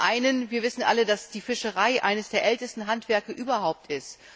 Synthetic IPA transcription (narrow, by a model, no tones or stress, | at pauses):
ʔaɪnənviːɐvɪsn̩ʔa̰lədasd̥iːfɪʃəʁaɪʔa̰ɪnəsd̥eːɐʔɛltəstn̩ɦantv̥ɛɐkəʔyːbɐɦaʊp̚tʰɪst